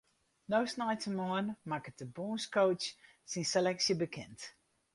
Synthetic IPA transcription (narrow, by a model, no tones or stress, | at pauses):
nowsnajtəmɔənmakətəbuːnskowt͡ʃ | sinselɛksjəbəkʰɛnt